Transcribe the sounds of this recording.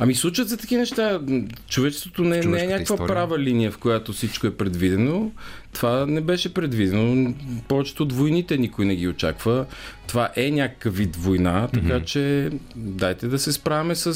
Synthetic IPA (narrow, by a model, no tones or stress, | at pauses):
ɐmislˠut͡ʃət̪zɐt̪ɐk̟inɛʃt̪at͡ʃovɛt͡ʃɛst̪vot̪onɛnɛɛnʲakkvəpɾavəlinijəfkojat̪ofsit͡ʃkoɛpɾɛd̪vid̪ɛnot̪ovanɛbɛʃɛpɾɛd̪vid̪ɛnopɔvɛt͡ʃɛ̥t̪ɛod̪vojnit̪ɛnikojnɛɡ̟ʲiot͡ʃa̰kvət̪ovaʔɛnʲakə̥kəvit̪vojnat̪ɐkat͡ʃɛ | d̪ajt̪ɛd̪ɐsɛspɾavɐmɛsə